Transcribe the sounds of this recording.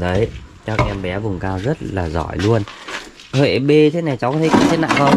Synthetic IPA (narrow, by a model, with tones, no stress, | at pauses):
ɗə˨˦jt͡ɕɔ˨˧˦k̚ʔɛ˧mɓɛ˨˦vʊ˨˩ŋ͡mkaː˧wzə˦˥t̚laː˨˩zɔ̰˧˩jlu˧ən | hwḛ˧˨˩ɓe˧t̪ʰe˨˦na˨˩jt͡ɕa˨˦wkɔː˨˦tʰkḭ˧˨t͡ɕ̪ʰt̚na̰ː˧˨kə˨˧˦